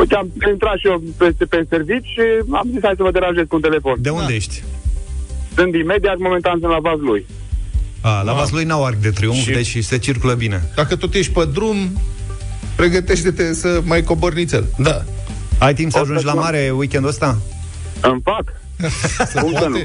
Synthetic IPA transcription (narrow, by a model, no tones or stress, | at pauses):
ojt̪eamint̪ɾat̪ʃiopesepeservit͡ʃʲʃia̰mzishajs̬əvəd̪eɾanʒezkunt̪ele̞fond̪e̞und̪ejeʃt̪ʲ | sɨnt̪imed̪iat̪mo̞ment̪ansɨnlavazluj | alavazlujnawark̚ʲd̪et̪ɾiuŋkid̪et͡ʃse̞t͡ʃirkuləbine̞d̪akət̪ot̪jeʃt̪̚ʲpəd̪ɾum | pɾe̞ɡət̪e̞ʃt̪et̪esəmajko̞bornit̪sʲeld̪a | ajt̪impsəaʒund͡ʒlammaɾewikʲend̪uəst̪a | ɨnfak̪ | səune